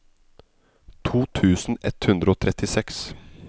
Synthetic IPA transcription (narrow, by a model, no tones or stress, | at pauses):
t̪ʰuːt̪ʰʉːsn̩ʔɛt̪hʉnd̪ɾəoːt̪ʰɾɛt̪ɪsɛks